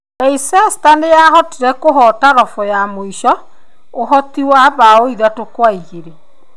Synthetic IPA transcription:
naisɛstanejaɦɔtiɾɛkoɦɔtaɾɔfɔjamoiʃɔ | oɦɔtiwaβaoiðatokwaiɣeɾe

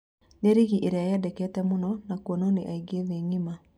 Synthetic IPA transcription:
neɾiɣiʔeɾeajɛdɛkɛtɛmunɔnakuonɔneʔaiɡieðeɲima

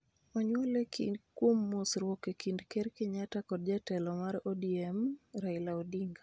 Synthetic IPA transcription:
ɔɲwɔlekḭkwomːusɾwɔkekindkɛɾkɪɲatakɔd̚d͡ʒatɛlɔmaɾɔdiɛmɾailaɔdiŋɡa

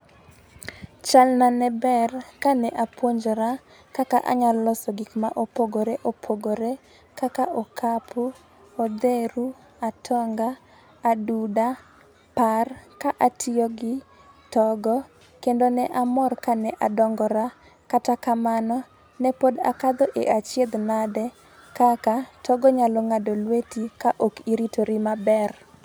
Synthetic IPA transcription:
t͡ʃalnanɛbɛrkanɛʔapwoɲd͡ʒɔɾa | kakaʔa̰ɲallɔsɔɡikma̰ʔopoɡoɾeʔopʰoɡoɾe | kakaʔokʰapʰu | od̪eɾu | atʰɔŋɡaː | duda | parkaʔatʰɪɔɡɪ | tɔɡɔ | kendonɛʔamɔrkanɛʔadɔŋɡɔɾa | katakamanɔ | nɛpoda̰kad̪ɔʔeʔat͡ʃjed̪nadɛ | kakatʰɔɡɔɲalɔŋadolwetikaʔokiɾitoɾimabɛr

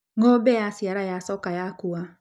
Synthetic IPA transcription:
ŋobɛjasiaɾajasɔkajakua

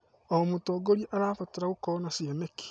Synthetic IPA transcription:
oɔmutoːɡoɾieʔaɾaːfoteɾaɣukɔnasiɛneki̥

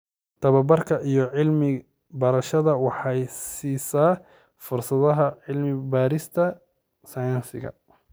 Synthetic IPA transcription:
t̪ʰɐβɐbɐrkʰɐʔijɔʕɪlmɪ | bɐɾɐʃɐðɐwɑħɑjsiːsaː | fʊrsɐðɐɦɐʕɪlmɪbaːɾɪst̪ʰɐ | sɐjɐnsɪ̰ɣɐ̰

